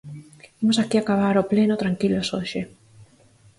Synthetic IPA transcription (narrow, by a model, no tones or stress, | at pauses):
imosakiakaβ̞aɾoplenot̪ɾaŋkilosoʃe